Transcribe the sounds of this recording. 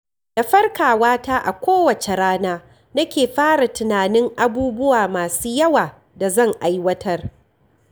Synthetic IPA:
d̥a˨ɸɐ˦rkaː˨waː˦taː˦ʔa̰˨kʷoː˦wɐ˨t͡ʃe˨ɽaː˦naː˦ | nɐ˦kʲeː˨ɸaː˦ɽa˨tʊ˨naː˨nɪ˦ŋʔa˨buː˦bʊ˦waː˨maː˨suː˦jɐ˦waː˨ | da˨zɐ˦˨ŋʔa˨jwɐ˦tʰɐ˦r

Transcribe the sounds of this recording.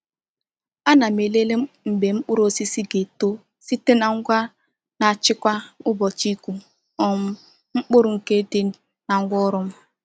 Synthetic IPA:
a˦na˨me˨le˦le˦m̩˨be˨ŋ͡m̩˦k͡pʊ˦ɾo˦si˦si˦ɡe˨to˦ | si˦te˦na˨ŋ̩˦ɡʷa˦ | na˨t͡ʃɪ˦kʷa˦ʊ˦bɔ˨t͡ʃi˦kʷu˦ | ɔ˨m̩˦ | ŋ͡m̩˦k͡pʊ˦ɾʊ˨ŋ̩˨ke˦te˦ | na˨ŋ̩˦ɡʷɔ˦ɾʊ˦m̩˦

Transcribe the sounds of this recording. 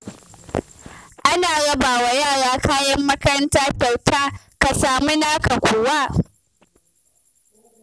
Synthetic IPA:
ʔa˦naː˨ɽɐ˦baː˨wa˨jaː˦˨ɽaː˨˦kaː˦jɐ˦mːɐ˦kɐ˦ɾɐ˦ntaː˦kʲa˨wtaː˦ | ka˨saː˨mi˦naː˦ka˨kʷoː˨wa˦ʔ

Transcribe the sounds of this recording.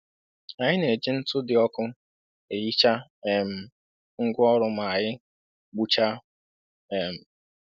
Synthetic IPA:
a˨ɲɪ˦ne˨d͡ʒi˦n̩˦tʊ˦dɪ˨ɔ˦kʊ˦ | e˨ji˦t͡ʃa˦˨m̩˨ | ŋ̩˦ɡʷɔ˦ɾʊ˦ma˨ɲɪ˦ | ɡ͡bu˦t͡ʃa˦ | ɛ˨m̩˨

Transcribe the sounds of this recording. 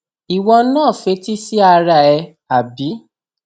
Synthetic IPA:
i˨wɔ̃˧˦nãː˦˨fe˧˦ti˦si˦a˧ɾa˨ɛ˧ | a˨bi˨˦

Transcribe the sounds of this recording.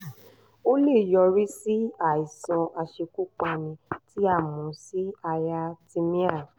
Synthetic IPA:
o˦le˦˨jɔ˧ɾi˦si˦a˦˨i˨sɔ̃˧ʔa˧ʃe˧ku˦k͡pa˧nĩ˧ti˦a˦˨mɔ̃˨˦si˦a˧ja˧tĩ˧mĩ˦a˦˨

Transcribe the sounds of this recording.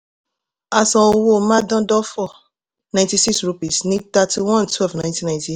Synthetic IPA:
a˨sɔ̃˨o˧wo˦˨mã˦dã˦dɔ˦fɔ˦˨ | nã˨j̃nti˧si˦ksɾu˧pi˨snĩ˦ta˦ti˧wɔ̃˦ntʰwɛ˦lvnã˨j̃ntĩ˦nã˨ĩnti˦

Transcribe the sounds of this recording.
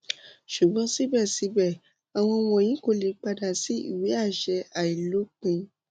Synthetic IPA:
ʃu˨ɡ͡bɔ̃˨˦si˦bɛ˦˨si˨˦bɛ˦˨ | a˨w̃ɔ̃˧w̃ɔ̃˧˨j̃ĩ˨˦ko˦˧˨le˨˦k͡pa˧da˨si˨˦ḭ˦˨wi˨˦a˦˨ʃɛ˧a˨i˨lo˨˦k͡pĩ˧

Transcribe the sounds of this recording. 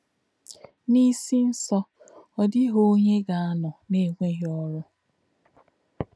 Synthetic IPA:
ni˦si˦n̩˦sɔ˦ | ɔ˨dɪ˦ɦo˦ɲe˦ɡa˨a˦nɔ˨ne˦˨ŋʷe˦ɦɪ˦ɔ˦ɾʊ˦

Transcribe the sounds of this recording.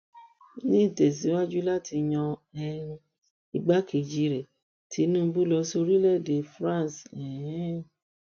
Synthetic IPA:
nĩ˦˨tɛ˨s̬i˨˦wa˦d͡ʒu˦la˦˨ti˧ɲɔ̃˧ɛ˧ɾ̃ũ˧ | i˧ɡ͡ba˦ki˨d͡ʒi˨˦ɾɛ˨ | tʰi˨˦nũ˦˧bu˦lɔ˧so˧ɾi˦lɛ˦˨de˨˦fɾã˦˨sɛ̃˨˦

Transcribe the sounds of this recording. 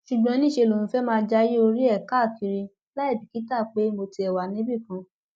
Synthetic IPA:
ʃu˨ɡ͡bɔ̃˨˧˦nĩ˦˨ʃe˧lo˨ũ˨˦fɛ˦mãː˦˧d͡ʒa˦ji˦o˧ɾi˦ɛ˦˨ka˦˨ki˨˧ɾi˧ | la˦i˦˨bi˨ki˨˦ta˦˨k͡pe˨˦mo˧ti˧ɛ˨wa˨nĩ˦bi˦˨kã˧

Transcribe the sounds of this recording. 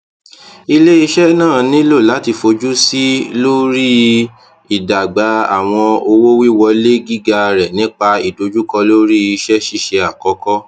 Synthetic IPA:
i˧le˦i˧ʃɛ˦nãː˦˨nĩ˦lo˦˨la˨˦ti˧˨fo˧d͡ʒu˦si˦lo˦ɾi˦ | i˨da˨ɡ͡ba˨˦a˦˨w̃ɔ̃˧o˧wo˦wi˦˨wɔ˧le˦ɡi˦ɡa˧ɾɛ˨nĩ˦k͡pa˧i˨do˨d͡ʒu˦kɔ˧lo˦ɾi˦i˧ʃɛ˦ʃi˦˨ʃe˧a˨kɔ˨˦kɔ˦

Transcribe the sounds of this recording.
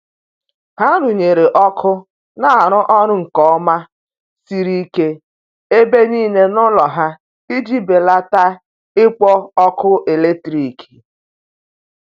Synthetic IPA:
ha˦ɾʊ˨ɲe˨ɾe˨ʔɔ˦kʰʊ˦ | na˦a˨ɾʊ˦ʔɔ˦ɾʊ˦ŋ̩˨kɔ˨˦ma˦ | si˨ɾi˦ke˦ | e˦be˦niː˦ne˦nʊ˦lɔ˨ɦa˦ | i˦d͡ʒi˦be˨la˦ta˦ | ɪ˦k͡pɔ˦ɔ˦kʰʊ˦ʔe˨le˦tɾi˨ki̥˨

